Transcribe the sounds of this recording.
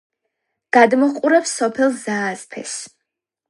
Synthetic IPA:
ɡ̥ad̪mɔqʼuɾɛpsɔpʰɛlˠzaːspʰɛ̰s

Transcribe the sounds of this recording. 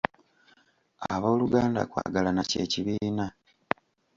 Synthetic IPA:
aβo̞ːluɡaːnda̰kwa̰ːɡalanace̞̰ːciβiːna

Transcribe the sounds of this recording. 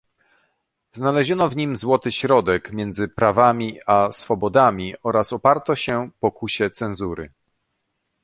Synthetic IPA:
znalɛʑɔnɔvɲimzwɔt̪ɘɕɾɔd̪ɛkmʲjɛnd̪zɘpɾavamʲiasfɔbɔd̪amʲiɔɾasɔpaɾt̪ɔɕɛpɔkuɕɛt̪sɛ̃nzuɾɘ̰

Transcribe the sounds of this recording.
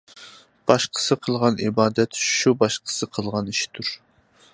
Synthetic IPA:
b̥ɑʃqʰə̥sɨqʰəlˠʁɑnʔibɑːd̪ɛt̪ʃubɑʃqʰə̥sɨqʰəlˠʁɑniʃt̪ʰuɾ

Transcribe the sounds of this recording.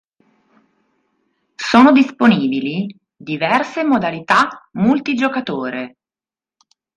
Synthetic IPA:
soːnod̪isponiːbili | d̪ivɛrsemod̪alit̪amult̪id͡ʒokat̪oːɾe

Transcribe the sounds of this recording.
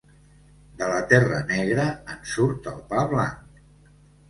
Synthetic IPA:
d̪ələt̪ɛrənɛɣ̞ɾəənsuɾt̪ə̰lˠpaβlaŋk

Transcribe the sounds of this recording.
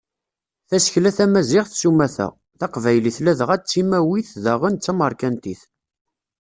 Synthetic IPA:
θæsəçlæθæmæzɪʁθsumæθæ̰ | θɑqvæjliθlæðʁæt͡sːimæwiθðæʁənt͡sːæməɾˤkænt̪iθ

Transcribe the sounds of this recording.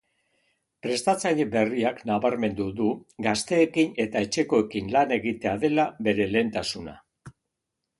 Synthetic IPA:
pɾe̞st̪at͡sajbe̞riaknaβaɾme̞nd̪uðuɡast̪e̞ːkine̞t̪ae̞t͡ʃe̞ko̞e̞kinlane̞ɣit̪e̞aðe̞laβe̞ɾe̞le̞ːnt̪asuna̰

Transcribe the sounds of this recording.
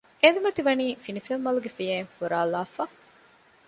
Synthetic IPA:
enumɐt̪iʋɐniːfinifemːɐluɡefijeːŋfuɾaːlaːfɐ

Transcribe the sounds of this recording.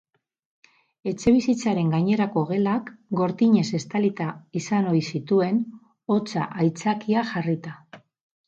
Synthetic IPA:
e̞t͡ʃe̞β̞isit͡saɾe̞ŋɡaɲe̞ɾako̞ɣe̞lakɡo̞ɾt̪iɲe̞se̞st̪alit̪aisano̞jsit̪ue̞n | o̞t͡sa̰ʔajt͡sakiaʝarit̪a

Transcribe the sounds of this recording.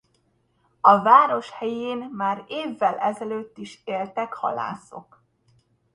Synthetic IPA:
ɒvaːɾo̞ʃhɛjeːnmaːɾeːvːɛlʔɛzɛløːt̪ːiʃeːlt̪ɛkhɒ̰la̰ːso̞k

